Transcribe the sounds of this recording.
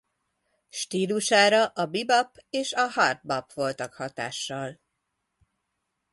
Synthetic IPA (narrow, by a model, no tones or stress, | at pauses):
ʃt̪iːluʃaːɾɒʔɒbibɒpeːʃɒhɒrt̪̚bɒpʋo̞lt̪ɒkhɒt̪a̰ːʃːɒl